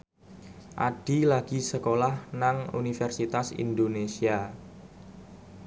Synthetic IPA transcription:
ʔaɖ̥ilaɡ̥i̤səkolahnaŋṵnifɛrsit̪asḭnd̪onesia

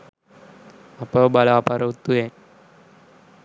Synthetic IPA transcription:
apəbalaapaɾət̪ːuje

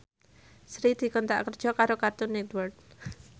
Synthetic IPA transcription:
sɾid̪̥i̤kɔnt̪a̰ʔkərd̥ʒ̥ɔ̤kaɾokart̪ʊnːɛt̪wərd̪̚

